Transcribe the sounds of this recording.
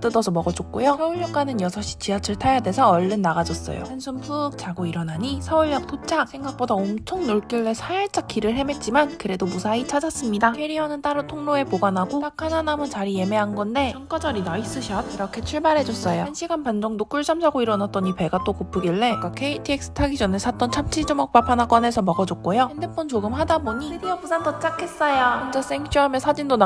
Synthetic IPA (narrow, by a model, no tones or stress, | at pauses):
t͈ɯdʌsʰʌmʌɡʌd͡ʑok̚k͈ojosʰʌuɭjʌk͈̚anɯnjʌsʰʌɕ͈ʰi̥t͡ɕiat͡ɕʰɯɭtʰajadwe̞sʰʌʌɭːɯnːaɡad͡ʑʌs͈ʌ̰jo̰ansʰumpʰuk̚t͡ɕ͈aɡoiɾʌnaɲisʰʌuɭjak̚tʰot͡ɕʰak̚sʰe̞ŋɡak̚p͈odaomt͡ɕʰoŋnoɭk͈iɭːe̞sʰaeɭt͡ɕ͈ak͈ʰiɾɯɭɦe̞me̞t̚t͡ɕ͈imankɯɾe̞domusʰait͡ɕʰad͡ʑas͈ɯmɲidapʰeɾiʌnɯnt͈aɾɯtʰoŋnoe̞poɡanɦaɡot͈akʰananamɯnt͡ɕaɾije̞me̞ɦanɡʌnde̞ʌnk͈ad͡ʑʌɾinais͈ɯɕʰʌt̚iɾʌkʰe̞t͡ɕʰuɭbaɾɦe̞d͡ʑʌs͈ʌjoanɕʰiɡanpand͡ʑʌŋdok͈uɭɕ͈ʰamsʰaɡoiɾʌnat̚t͈ʌɲipe̞ɡat͈okop͈ʰːɯɡiɭːe̞k͈akʰe̞itʰiek̚s͈ɯ̥tʰaɡid͡ʑʌnesʰat͈ʌnt͡ɕʰamt͡ɕʰid͡ʑomʌk̚p͈apʰanak͈ʌne̞sʰʌmʌɡʌd͡ʑʌkk͈ojoendep͈ont͡ɕoɡɯmɦadaboɲisɯdiʌbusʰandʌt͡ɕ͈akʰe̞s͈ʌjaand͡ʑas͈eŋɕ͈ʰuɦamʌnsʰad͡ʑindona